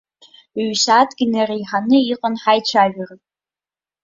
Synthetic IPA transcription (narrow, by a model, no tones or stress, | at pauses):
ɥʃatʰɡʲɪnarejħanɨiqʼənħajt͡ʃʷʰaʒᶣarɨ